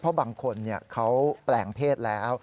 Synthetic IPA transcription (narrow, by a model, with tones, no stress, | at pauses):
pʰɾɔ˦˥baː˨˩ŋkʰo˧nːi˥˩ɐkʰa˦˥wplɛː˨˩ŋpʰeː˥˩t̪̚lɛː˦˥w